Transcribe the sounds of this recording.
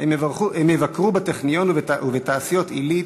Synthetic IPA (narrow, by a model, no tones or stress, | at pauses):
evaʁuemevakʁubat̪eχnijo̞nvuvet̪aːsijo̞t̪ili